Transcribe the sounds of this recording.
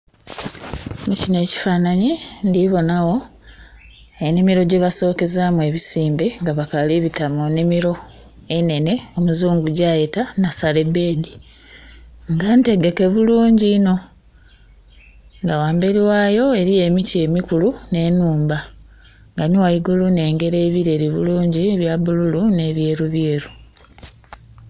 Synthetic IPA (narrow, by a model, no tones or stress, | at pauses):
mucine̞ːci̥faːnaɲindiβo̞nawo̞ | e̞nimiɾo̞ɟeβaso̞ːke̞zaːmwe̞ːβisiːmbeŋɡaβakaliβitamonimiɾo̞ | e̞ne̞ne̞o̞muzuːŋɡuɟajetanasale̞be̞ːdi | ŋɡante̞ɡe̞ke̞βuluːɲɟiːno̞ | ŋɡawaːmbeɾiwaːjo̞e̞ɾije̞micie̞mikulune̞ːnuːmba | ŋɡaniwajiɡulune̞ːŋɡe̞ɾe̞ːβiɾe̞ɾiβuluːɲɟieβjaβululune̞βje̞ːɾuβjeːɾu